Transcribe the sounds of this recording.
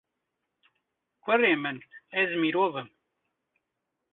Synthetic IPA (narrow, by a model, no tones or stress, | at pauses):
kʷɛreːmɨnɛzmiːɾoːvɨm